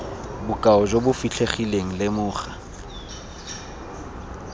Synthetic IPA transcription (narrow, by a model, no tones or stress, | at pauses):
bʊkʼaɔd͡ʒobʊfiɬʰeχileŋ̩lɪmʊːχa